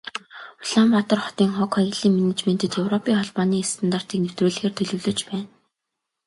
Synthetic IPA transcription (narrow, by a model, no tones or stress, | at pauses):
ʊɮampat̪ə̆rχɔ̥t̪iːŋχɔkʰɔɣiɮiːŋmenet͡ɕmen̥t̪ʰɘ̆t̪jɵwrɔpʰiːŋχɔɮpɔːniːst̪ʰant̪ar̥t̪iːknew̥t̪ruːɮɘ̆xeːrt̪ʰɵɮɵ̆wɮɵ̆t͡ɕpæːn